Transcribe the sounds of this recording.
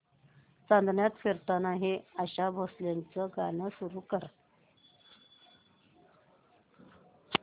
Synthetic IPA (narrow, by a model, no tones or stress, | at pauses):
t͡sand̪ʱnjat̪feɾt̪anaɦeəɕabʱosljant͡səɡaɽ̃əsuɾuːkəɾ